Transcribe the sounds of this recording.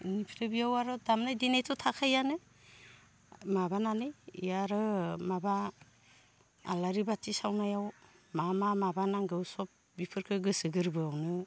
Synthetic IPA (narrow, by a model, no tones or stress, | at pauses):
nipʰiɾɯbijawaɾɔdamnajdinejtʰɔtʰakʰajanɯ | mabananɯjijaɾɯmaba | a̰laɾibatisawnajaw | mamamabanaŋɡɯwsɔp̚ | bipʰɯɾkʰɯɡɯsɯɡɯɾbɯawnɯ